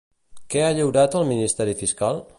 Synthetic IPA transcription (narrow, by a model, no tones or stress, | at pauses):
kɛaʎəwɾat̪əlˠminist̪ɛɾifiskalˠ